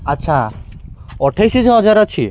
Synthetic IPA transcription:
atːʃʰa | ɔʈʰajsid͡ʑɦɔd͡ʑaɾat͡ɕʰi

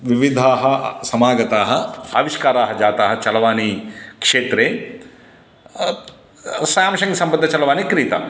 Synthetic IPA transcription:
ʋiʋid̪ʱaːɦɐsɐmaːɡɐt̪aːɦɐa̰ːʋiʂkaːɾaːɦɐd͡ʒaːt̪aːɦɐt͡ʃɐlɐʋaːnikʂeːt̪ɾeː | saːmʃɐŋɡɐsɐmpɐd̪ʱːɐt͡ʃɐlɐʋaːnikɾiːt̪a̰

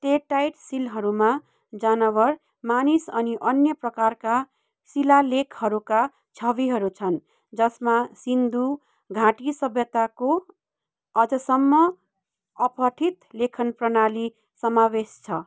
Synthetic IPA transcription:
ʈeʈːajʈsilɦʌɾuma | d͡zanʌβʌr | manisʌniʔʌnjʌprʌkarka | silalekʰhʌɾuka | t͡sʰʌβiɦʌɾut͡sʰʌn | d͡zʌsmasind̪u | ɡʱãʈisʌbʱjʌt̪ako | ʌd͡zʌsʌmːʌ | ʌpʌʈʰit̪lekʰʌnprʌnali | sʌmawest͡sʰʌ

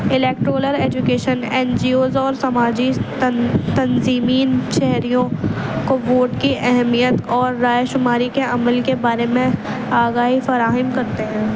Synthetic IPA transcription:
ɪleːk̚ʈɾoːləɾeːd͡ʒʊkeːʃənɛ̃ːnd͡ʒiːoːzɔːɾsɐmaːd͡ʒi | t̪ɐnziːmiːnʃɛɦɾijõkoʋoːʈkiʔɛɦɛmijət̪ɔːɾːaːjʃʊmaːɾikeʔɐməlkebaːɾemẽ | aːɡaːɦifɐɾaːɦɪmkɐɾt̪eɦɛ̃ː

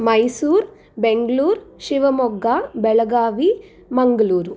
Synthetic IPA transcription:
mɐjsuːɾ | beŋɡɐluːɾʃiʋɐmɔɡːaːbɛɭɐɡaːʋi | mɐŋɡɐluːɾu

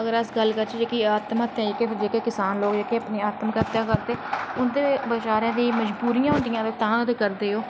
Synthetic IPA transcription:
əɡəɾəsɡəlːkəɾt͡ʃiːd͡ʒeːkiaːt̪maːt̪ːjãːd͡ʒeːked͡ʒeːkeːkɪsaːnloːɡd͡ʒeːkeːəpniːaːt̪əmkəɾt̪jãːkəɾt̪eːʊnd̪eːbət͡ʃaːɾãːd̪ĩːməd͡ʒbuːɾɪjãːɦʊ̃nd̪ɪjãːt̪eːt̪ãːd̪eːkəɾd̪eːoː

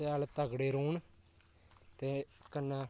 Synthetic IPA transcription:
aːlt̪əɡɽeːɾuːɳ | t̪eːkənːa

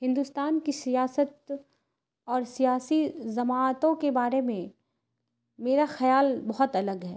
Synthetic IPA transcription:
ɦɪ̃nd̪ust̪aːnkisijaːsət̪̚ | ɔːɾsijaːsizɐmaːt̪õkebaːɾemẽ | meːɾaxɐjaːlbɐɦʊt̪ɐləɡɦɛː

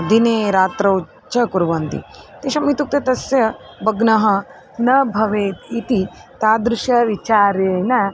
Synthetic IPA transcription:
d̪ineːɾaːt̪ɾɐw | t͡ʃɐkuɾʋɐnt̪ḭt̪eʃɐmit̪uk̚t̪ɐt̪ɐsjɐ | bɐɡnɐɦɐ | nɐbʱɐʋeːt̪it̪it̪aːd̪ɾuʃjɐʋit͡ʃaːɾeːnɐ

